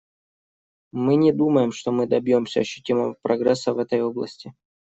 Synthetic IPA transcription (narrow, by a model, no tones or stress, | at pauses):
mɨnʲɪd̪uməjɪmʂt̪o̞mɨd̪ɐbʲjomsʲə̰ɐɕːʏtʲiməvəpɾɐɡɾɛsːəvɛt̪əjoblˠə̰sʲtʲɪ